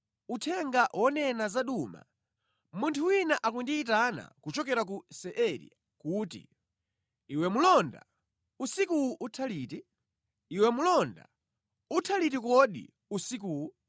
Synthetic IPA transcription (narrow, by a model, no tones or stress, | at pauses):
utʰɛŋɡawʔɔnɛnazaɗuma̰ | muntʰuwinaʔak̬indiːtana̰kut͡ʃɔkɛɾak̬usɛʔɛɾḭ | kuːtḭ | iwɛmulɔnda̰ | usikuwuʔutʰaliːtiː | wɛmulɔnda̰ | utʰalitikɔɗḭ | usik̬uːwu